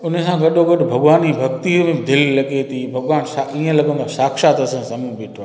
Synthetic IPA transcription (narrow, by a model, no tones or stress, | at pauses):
ʊnəsãːɡɐɗoɡəɗbʱɐɡʋaːniːbʱɐk̚t̪iːɾmẽd̪ʱɪllɐɠet̪ʰiːbʱɐɡʋaːnsaĩːə̃lɐɡə̃nd̪õsaːkʃaːt̪ɐsə̃sɐmũːbɪʈʰã